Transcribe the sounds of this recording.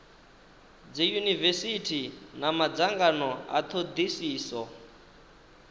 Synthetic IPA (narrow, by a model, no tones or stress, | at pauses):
d͡zijunivesitʰinamad͡zaŋɡanɔa̰t̪ʰod̪isiːsɔ